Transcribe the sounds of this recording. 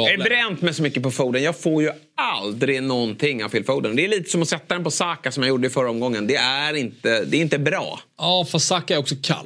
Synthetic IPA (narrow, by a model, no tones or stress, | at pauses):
ɛɖɛbɾɛnt̪mɛjsɔmʏkːəpɔfuːd̪ənjɑːɡɡfoːɾjɵ | ald̪ɾɪɡnɔnt̪ʰɪŋːavfɪːlfuːd̪ənd̪ɛːɭiːt̪ə̥sɔmɔsɛt̪ːad̪ɛnpɔsɑːkasɔmjajuːɖːəɪfœɾːaɔmɡɔŋːənd̪ɛæɾɪnt̪əd̪ɛːɾɪnt̪əbɾɑ̰ːɑfassaːkaɛɾɔksɔkʰa̰l